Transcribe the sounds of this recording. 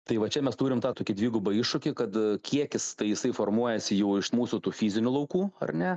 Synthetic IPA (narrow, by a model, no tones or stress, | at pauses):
t̪ɐɪʋɐt͡ʃʲɛmʲɛst̪uːɾʲɪmt̪ɑːt̪oːkʲɪdʲʋʲiːɡʊbɐɪʃʊkʲɪkɐt̪kʲiɛkʲɪst̪ɐɪjɪsɐɪformuɔjɛsʲɪjɛʊɪʃmuːsʊt̪uːfʲiːzʲɪnʲʊlˠɐʊkuːɐ̰rnʲɛ